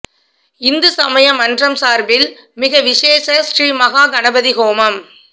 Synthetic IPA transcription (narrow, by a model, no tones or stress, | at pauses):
ɪnd̪ɯsɐmɐjɐmɐndrɐmsaːɾbɪl | mɪɣɐʋɪʂeːsɐsriːmɐɣaːɡɐnɐbɐðɪɣoːmɐm